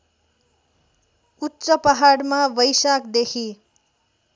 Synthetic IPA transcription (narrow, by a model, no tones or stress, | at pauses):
utːsʌpaɦaɽmabʌjsakd̪ekʰi